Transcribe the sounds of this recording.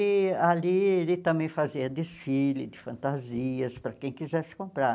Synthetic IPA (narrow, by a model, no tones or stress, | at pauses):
ɪalielɪt̪ɐ̃mbẽj̃faziɐd̪ɪsfilɪd̪ɪfɐ̃nt̪aziɐspɾɐkẽj̃kizɛsɪ̥kõmpɾa